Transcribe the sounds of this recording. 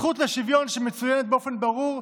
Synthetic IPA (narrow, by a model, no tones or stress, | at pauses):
χut̪leʃivjonʃemet͡sujɛnet̪̚beofenbaʁuʁ